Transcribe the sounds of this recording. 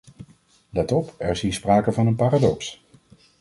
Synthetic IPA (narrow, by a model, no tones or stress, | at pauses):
lɛtɔpɛɹzinspraːkəvɑnənpaːradɔks